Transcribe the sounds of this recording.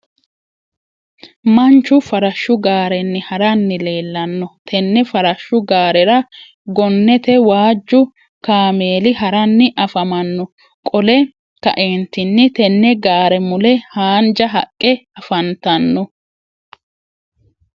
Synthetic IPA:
mɐnt͡ʃːʊfɐɾɐʃːʊɡaːɾɛnːɪhɐɾɐnːɪle̞ːlːɐnːɔt̪ʰɛnːɛfɐɾɐʃːʊɡaːɾɛɾɐ | ɡɔnːɛt̪ɛwaːd͡ʒːʊ | kaːme̞ːlɪɦɐɾɐnːɪʔɐfɐmɐnːɔ | kʼɔlɛ | kɐ̰ʔeːnt̪ɪnːɪt̪ɛnːɛɡaːɾɛmʊlɛhaːnd͡ʒɐɦɐ̰kʼːɛɐfɐnt̪ɐnːɔ

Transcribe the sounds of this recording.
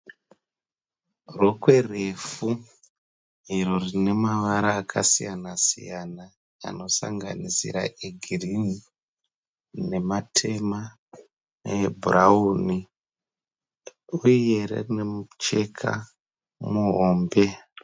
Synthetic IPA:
ro̞kwe̞re̞fu | iro̞rine̞maʋaɾaːkʰa̰sijanasḭjana | a̰no̞sa̰ŋɡa̰nisḭɾa̰ʔeɡʱirini | ne̞matʰe̞ma | bʱurauni | uijeɾḛrinemut͡ʃe̞kʰa̰ | muɦoːmbe̞

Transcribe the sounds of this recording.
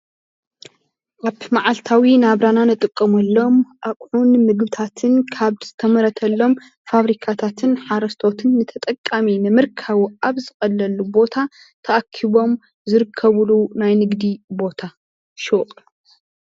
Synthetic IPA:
ʔaβmaʕalt̪ʰawinaβɾananɨt̪ʼɨkʼːɐmɐlːo̞mʔakʼʕunmɨɡbɨt̪ʰat̪ʰɨnkʰaβz̥ɨt̪ʰɐmɐɾɐt̪ʰɐlːo̞m | faβɾikʰat̪ʰat̪ʰɨnħaɾɐst̪ʰo̞t̪ʰɨnːɨt̪ʰɐt̪ʼɐkʼːaminɨmɨɾkʰaβuaβzɨxʼɐlːɐlːubo̞t̪ʰa | t̪ʰɐʔakʰːiβo̞m | zɨɾɨkʰːɐβɨlunajnɨɡd̪ibo̞t̪ʰa | ʃoqʼ

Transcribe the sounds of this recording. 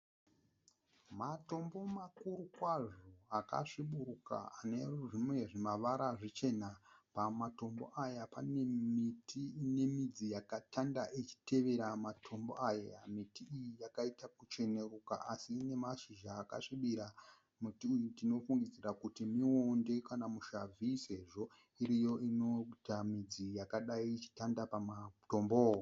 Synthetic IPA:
mato̞mbo̞makuɾukwaʐoaka̰ʂiɓuɾuka̰ane̞uʐimwe̞ʐimaʋaɾaʐit͡ʃe̞napamato̞mbo̞̰ʔajapane̞mitʰiːne̞mid͡zijakatʰandaʔet͡ʃi̥tʰe̞ʋe̞ɾamatʰo̞mbo̰ʔajajamitiːjijakaitakut͡ʃe̞nekuka̰ʔasiːne̞maʃiʒaːka̰ʂiɓiɾa | mutiujudino̞fuŋɡid͡zirakutimionde̞kanamuʃavʱise̞ʐo̞ | iɾijo̞ino̞tamid͡zijakaɗaiːt͡ʃi̥tandapamato̞mboːwo

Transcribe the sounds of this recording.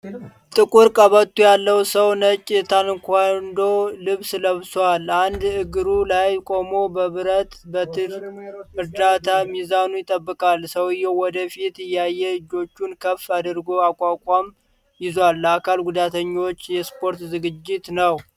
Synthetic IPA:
t̪ʼɨkʼuɾkʼəβət̪ʰːujalːəwsəwnət͡ʃʼːt̪ʰanɨŋkʰʷand̪o̞lɨβsləβswaland̪ɨɡɨɾulajkʷʼo̞mo̞bəβɨɾət̪bət̪ʰɨɾɨɾd̪at̪ʰamizanujɪt̪ʼəbːɨkʼalsəwɪjːɛwɔd̪əfit̪ɨjːajːɛlɨd͡ʒo̞t͡ʃːunkʰəfad̪ɨɾɡo̞akʼakʼam | jɪzwalːakʰalɡud̪at̪ʰəɲːo̞t͡ʃːjɛspʰo̞ɾt̪zɨɡɨd͡ʒːɪt̪nəw

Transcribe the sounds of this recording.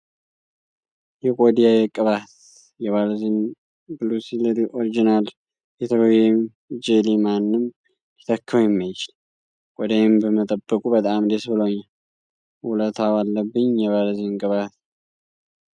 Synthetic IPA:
jɛkʼod̪ijajɛkʼɨβat̪ | jɛβalzen | bɨlusilɾiʔoɾid͡ʒinal | ɛt̪ʰəβəwem | d͡ʒelimanːɨm | jɪt̪ʰəkʰːəwjɛmːajt͡ʃɪl | kʼɔd̪aɛmbəmət̪ʼəbːəkʼubət̪ʼamd̪esbɨlowɲːal | wulət̪ʰawalːəbːɨɲjɛβalzenkʼɨβat̪

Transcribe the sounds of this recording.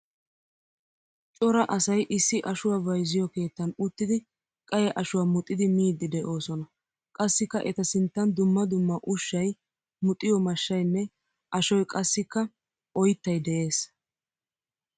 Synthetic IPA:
t͡ʃʼɔɾɐʔɐsɐjʔɪsːɪʔɐʃʊwaːvɐjzɪjɔke̞ːt̪ːɐnʊt̪ːɪd̪ɪ | kʼɐjɛʔɐʃʊwaːmʊt̪ʼːɪd̪ɪmiːd̪ːɪd̪ɛʔo̞ːsɔnɐ | kʼɐsːɪkːɐʔɛt̪ɐsɪnt̪ːɐnd̪ʊmːɐd̪ʊmːɐʔʊʃːɐj | mʊt̪ʼːɪjɔmɐʃːɐjnːɛ | ʔɐʃɔjkʼɐsːɪkːɐ | ʔɔjt̪ːɐjd̪ɛʔe̞ːs

